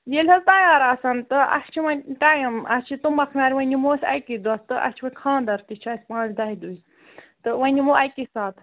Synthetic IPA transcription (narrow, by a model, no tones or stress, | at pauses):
jelʲɦɐlt̪ɐjaːɾaːsɐnt̪ɨɐ̰st͡ʃʰimɐnʲʈaːjɐmɐst͡ʃʰit̪umɐkʰnaːɾʲiʋɐnʲimoːsʲɐ̰jkid̪uast̪ɨʔɐ̰st͡ʃʰwɐnʲkʰãːnd̪ɐɾt̪it͡ʃʰaːsʲpãːt͡ʃʰd̪ɐɦid̪uːzʲ | t̪ɨʋɐnʲimoɐjkisaːt̪ʰ